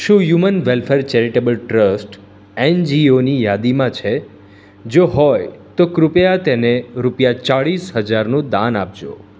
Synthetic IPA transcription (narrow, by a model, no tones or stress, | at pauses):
ʃũjumənʋelfeɾt͡ʃɛɾiʈebəlʈɾəsʈ | ɛnd͡ʒionijad̪imãt͡ʃʰe | d͡ʒoɦɔjt̪okɾʊpjat̪eneɾupjat͡ʃaɭisɦəd͡ʒaɾnũd̪anap̚d͡ʒo̰